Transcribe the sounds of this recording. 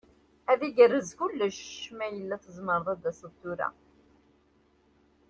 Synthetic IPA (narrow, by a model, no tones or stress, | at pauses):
æðiɡərːəzkʊlːəʃːmæjəlːæθəzməɾˤðˤæd̪ːæsəðˤt̪ːuɾæ̰